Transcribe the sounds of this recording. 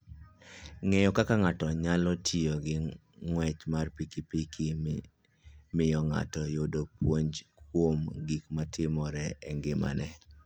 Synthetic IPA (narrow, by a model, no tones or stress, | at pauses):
ŋɛjɔkakaŋatɔɲalɔtʰioɡɪ | ŋwɛt͡ʃmarpikipikʰi | mɪjɔŋa̰tɔjodopwoɲd͡ʒkwomɡikmatʰɪmɔɾɛɛŋɡɪma̰nɛ